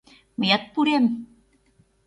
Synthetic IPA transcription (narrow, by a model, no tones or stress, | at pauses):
mejat̪̚puɾem